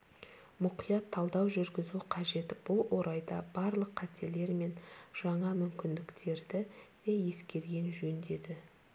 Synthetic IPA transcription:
mʊqijɑt̪ʰːɑlˠd̪ɑwʒʏɾɡʲɪzuqʰɑʒe̞t̪b̥ʊlˠwʔo̞ɾɑjd̪ɑbɑɾlˠəqʰːɑt̪ʰe̞le̞ɾme̞nʒ̥ɑɴɑmʏmkʲɪnd̪ɪkt̪ʰe̞ɾd̪ɪd̪̥eje̞skʲe̞ɾɡʲe̞nʒɵnd̪e̞d̪ɪ

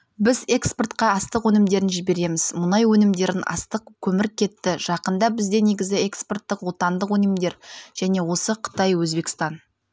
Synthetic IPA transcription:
bɪze̞kspert̪qɑɑst̪əqwɵnɪmd̪e̞ɾɪnʒɪbe̞ɾe̞mɪzmʊnɑjwɵnɪmd̪e̞ɾɪnɑ̰st̪əqkʲʰɵmɪɾɪkʲʰːe̞t̪ːɪʒ̥ɑqənd̪ɑbɪzd̪e̞ne̞ɡʲɪzɪe̞kspo̞rt̪ːɪqwo̞t̪ɑnd̪əqwɵnɪmd̪e̞ɾʒ̥æne̞wo̞səqʰə̥t̪ɑjwɵzbe̞kst̪ɑn

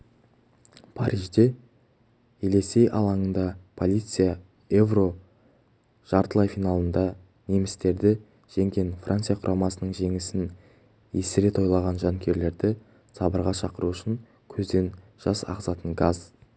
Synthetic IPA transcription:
pʰɑ̰ɾʔiʒd̪e̞ | ele̞se̞jʔɑ̰lˠɑɴənd̪ɑpʰo̞lʲˠijt̪sɨja | evro̞ | ʒ̥ɑɾt̪əlˠɑjfijnɑlˠənd̪ɑ | ne̞mɪst̪e̞ɾd̪ɪ | ʒ̥e̞ŋɡʲe̞nfra̰nt̪sijaqʰʊɾʔɑmɑsənəɴʒe̞ŋɪsɪn | jesɪɾe̞t̪ʰo̞jlˠɑʁɑnʒɑŋkʲʰe̞ɾle̞ɾd̪ɪ | sɑbəɾʁɑʃɑqəɾuʏʃɪŋ | kʲʰɵzd̪e̞n | ʒ̥ɑsɑ̰ʁzɑt̪əɴɡɑz

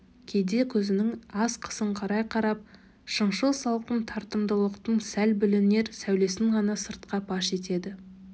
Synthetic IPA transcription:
kʲʰe̞jd̪e̞kʲʰɵzɪnɪŋɑsqʰə̥səɴqʰɑɾɑjqʰɑɾɑp̚ | ʃəɴʃəlˠsɑlˠqənt̪ʰɑɾt̪əmd̪əlˠəqt̪əɴsælbɪlɪne̞ɾsæwle̞sɪŋʁɑnɑsəɾt̪̚qɑpʰɑʃe̞t̪e̞d̪ɪ

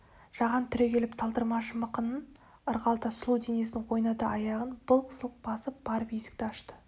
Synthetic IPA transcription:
ʒ̥ɑʁɑnt̪ʰʏɾekʲʰe̞lɪpt̪ʰɑlˠd̪əɾmɑʃəməqənən | əɾʁɑlˠt̪ɑslˠuwd̪ene̞snɪŋqʰo̞jnɑt̪əʔɑjɑʁənb̥əlˠqʰə̥səlˠəq̚bɑsəp̚b̥ɑɾpijsɪ̥k̚t̪ɪɑʃt̪ə̥

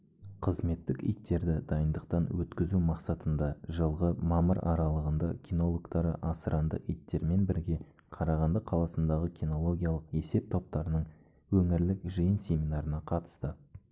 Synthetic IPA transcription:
qʰəzme̞t̪ːɪkḭjt̪ːe̞ɾd̪ɪd̪ɑjənd̪əq̚t̪ɑnwɵt̪kʲɪzumɑqsɑt̪ənd̪ɑʒəlˠʁəmɑməɾɑ̰ɾɑlˠəʁənd̪ɑkʲʰino̞lˠokt̪ɑɾə̰ʔɑsəɾʔɑnd̪ə̰ʔijt̪ːe̞ɾme̞nbɪɾɡʲe̞ | qʰɑɾɑʁɑnd̪əqʰɑlˠɑsənd̪ɑʁəkʲino̞lˠo̞ɡʲijaɑlˠəqe̞se̞p̚t̪ʰo̞p̚t̪ɑɾənəɴ | wɵŋɪɾlɪkʒijənsʲe̞minɑɾənɑqʰɑt̪ə̥st̪ə

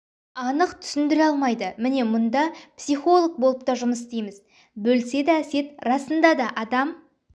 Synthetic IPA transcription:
ɑnəqt̪ʰʏ̥sɪnd̪ɪɾeɑlˠmɑjd̪əmɪne̞mʊnd̪ɑpsijχo̞lˠək̚bolˠəp̚t̪ɑʒʊməs̬ɪst̪ejmɪz | bɵlse̞d̪ææse̞t̪rɑsənd̪ɑd̪ɑʔɑd̪ɑm

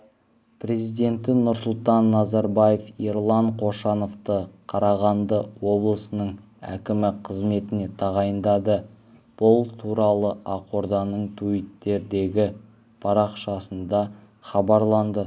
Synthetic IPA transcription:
pʰɾe̞zijd̪e̞nt̪ɪnʊɾsʊlˠt̪ɑnːɑzɑɾbɑje̞feɾlˠɑɴqʰo̞ʃɑno̞ft̪əqʰɑɾɑʁɑnd̪əwo̞blˠəsənəɴ | æ̰kʲɪmɪqʰəzme̞t̪ɪne̞t̪ʰɑʁɑjənd̪ɑd̪ə | b̥ʊlˠt̪ʰuɾɑlˠəɑqo̞ɾd̪ɑnəɴt̪ʰuit̪ːe̞ɾd̪e̞ɡʲɪ | pʰɑɾɑqʃɑsənd̪ɑ | χɑbɑɾlˠɑnd̪ə

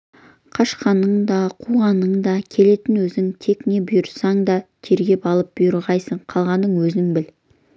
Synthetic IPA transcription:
qʰɑʃqɑnəɴd̪ɑqʰuʁɑnəɴd̪ɑkʲʰe̞le̞t̪ɪnwɵzɪŋt̪ʰe̞kne̞bʊjʊɾsɑŋd̪ɑt̪ʰe̞ɾɡʲe̞pɑlˠəp̚b̥ʊjəɾʁɑjsəɴqʰɑlˠʁɑnd̪əɴwɵzɪŋbɪl

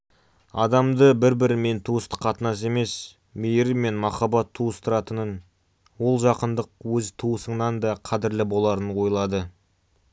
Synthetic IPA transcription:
ɑ̰d̪ɑmd̪əbɪɾbɪɾɪme̞nt̪ʰuəst̪ə̥qʰɑt̪ənɑs̬e̞me̞s | mejɪɾme̞nmɑχɑbɑt̪ʰːuəst̪əɾɑt̪ənən | wo̞lˠʒɑqənd̪əqwɵzt̪ʰuəsəɴnɑnd̪ɑqʰɑd̪ɪɾlɪbo̞lˠɑɾənwo̞jlˠɑd̪ə

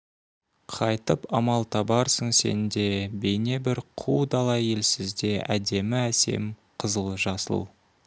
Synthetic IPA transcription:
qʰɑjt̪əpɑmɑlˠt̪ʰɑbɑɾsəɴse̞̰nd̪e̞be̞jne̞bɪɾqʰuwd̪ɑlˠɑje̞lsɪzd̪e̞ʔæ̰d̪e̞mɪæse̞̰mqʰəzəlˠəʒɑsə̰lˠ

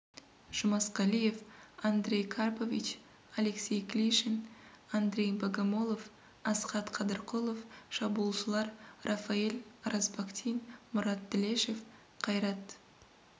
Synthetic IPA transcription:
ʒ̥ʊmɑsqɑlʲije̞fand̪ɾʲe̞jkʰarpovʲḭt͡ʃ | aleksʲejklʲiʃɪn | and̪ɾʲe̞jbaɡamo̞lˠo̞f | ɑsqɑt̪qʰɑd̪əɾqʰolˠofʃɑbuːlˠʃəlˠɑɾrʔafaelʲɾɑsbakt̪ʰijnmʊɾɑt̪̚d̪ɪleʃef | qʰɑjɾɑt̪

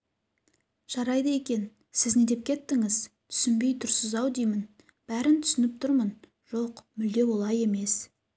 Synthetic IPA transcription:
ʒ̥ɑɾɑjd̪ɑe̞kʲe̞n | sɪzned̪e̞p̚kʲʰet̪ːɪŋɪz̥t̪ʰʏ̥sɪnbe̞jt̪ʰʊɾsʊzɑwd̪ijmɪn | b̥æɾɪnt̪ʰʏ̥sɪnɪp̚t̪ʰʊɾmən | ʒ̥o̞qmʏld̪e̞wo̞lˠɑje̞me̞s

